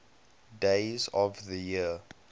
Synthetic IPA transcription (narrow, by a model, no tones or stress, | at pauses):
deɪzɔvðəji